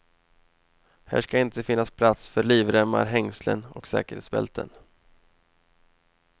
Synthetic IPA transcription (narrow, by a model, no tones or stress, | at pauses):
hæ̰ːʂkaɪnt̪əfɪnːaspʰlat̪sfœɾɭiːvɾɛmːa̰ɾɦɛŋslə̰nɔksɛ̰ːkəɾhḛːt̪sbɛ̰lt̪ʰə̰n